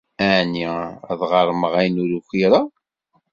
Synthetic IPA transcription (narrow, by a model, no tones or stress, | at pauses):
æʕniðʁəɾˤməʁæjnuɾuxiɾˤɑ